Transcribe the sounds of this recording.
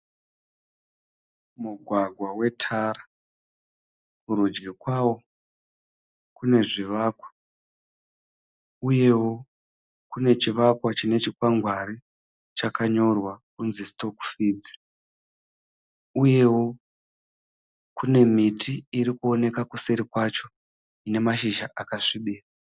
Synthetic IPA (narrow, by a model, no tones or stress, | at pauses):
muɡʱwaɡʱwawe̞tʰaːɾa | muɾud͡ʒɡekwawo̞ | kune̞ʐiʋaːkwḁ | uje̞wo̞ | kune̞t͡ʃiʋakwat͡ʃine̞t͡ʃikwaŋɡwaɾi | t͡ʃakaɲo̞rwakunzisto̞ku̥fiːd͡zi̥ | uje̞wo̞ | kune̞mitʰiiɾikuo̞ne̞kakuse̞ɾikwat͡ʃo̞ | ine̞maʃiʒaʔakaʂiɓiːra